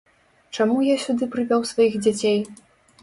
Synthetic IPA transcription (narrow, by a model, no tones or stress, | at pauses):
t͡ʂamujasʲud̪ɨpɾɨvʲawsvajiɣd͡zʲat͡sʲej